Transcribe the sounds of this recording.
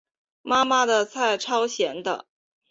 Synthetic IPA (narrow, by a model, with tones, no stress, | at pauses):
ma˥ma˨d̪ə˨t͡sʰa˥˩ɪʈ͡ʂʰɑ˥ʊɕjɛ˧˥nd̪ə̰˧